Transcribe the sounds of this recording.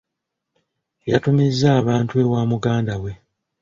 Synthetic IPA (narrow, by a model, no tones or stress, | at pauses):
ja̰tumizːaːβaːntue̞waːmuɡaːndawe̞